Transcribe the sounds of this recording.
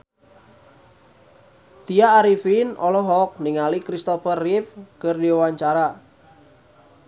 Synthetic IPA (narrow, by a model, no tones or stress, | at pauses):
t̪iaːɾifinʔɔlɔɦɔk̚niŋalikɾist̪ɔfərːifkərdiwaɲt͡ʃaɾa